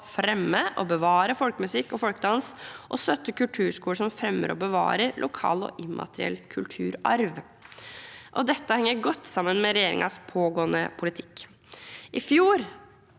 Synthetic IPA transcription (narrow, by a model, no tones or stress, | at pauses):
fɾɛmːəʔɔbəʋɑːɾəfɔlkəmʉsɪkːɔfɔlkəd̪ɑnsʔɔst̪œt̪ːəkʉlt̪ʰʉːɾʂkuːʂɔmfɾɛmːə̰ɾɔ̰bəʋɑ̰ːɾəɾlʔʊkʰɑ̰ːlɔ̰ʔɪmːʔɑ̰t̪əɾɪ̰ɛ̰lkʰʉlt̪ʰʉːɾɑ̰ɾʋ | ʔɔd̪ɛt̪ːəhɛŋːəɾɡɔt̪ːsɑmːənmɛɾɛjeːɾɪ̰ŋʔɑ̰spʰoːɡoːənə̰pʰʊlɪt̪ʰɪ̥kː | ʔɪfjuːɾ